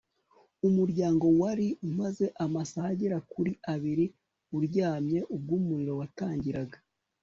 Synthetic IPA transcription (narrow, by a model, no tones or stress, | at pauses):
umuɾɟaːŋɡo̞waɾiumaze̞ʔamasahaɟeɾakuɾiaβiɾi | uɾɟaːmɲe̞ʔub̚ɡuːmuɾiɾo̞wataːɲɟiɾaɡḁ